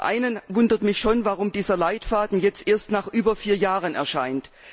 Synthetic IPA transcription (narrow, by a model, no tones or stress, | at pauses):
ʔa̰ɪnənvʊndɐtmɪçʃoːnvaʁʊmdiːzɐlaɪtfaːdn̩jɛt͡stʔeːɐstnaːχʔyːbɐfiːɐjaːʁənɛ̰ɐʃaɪnt